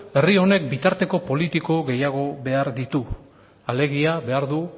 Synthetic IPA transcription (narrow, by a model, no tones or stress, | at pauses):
e̞rio̞ne̞k̚bit̪aɾt̪e̞ko̞po̞lit̪iko̞ɣe̞jaɣ̞o̞βe̞aɾðit̪u | ale̞ɣiaβe̞aɾðu